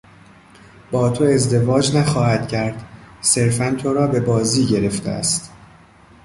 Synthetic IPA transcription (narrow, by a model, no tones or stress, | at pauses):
b̥ɒːt̪ʰoe̞zd̪e̞vɒːd͡ʒnæxɒːhæd̪̥cʰæɾd̪̥se̞ɾfænt̪ʰo̞ɾɒːbe̞bɒːziːɟe̞ɾe̞ft̪ʰḛʔæ̰st̪